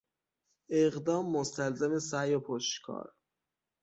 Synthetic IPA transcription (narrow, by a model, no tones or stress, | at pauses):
eɣd̪ɒːmːost̪ælzæmesæjopʰoʃt̪kʰɒ̰ːɾ